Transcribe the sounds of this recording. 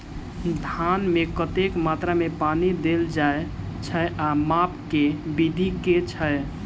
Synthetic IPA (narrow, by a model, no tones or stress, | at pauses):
d̪ʱanmekət̪ekmat̪ɾamepanid̪eld͡ʒae | t͡ʃʰəeʔamap̚ʰkebid̪ʱiket͡ʃʰə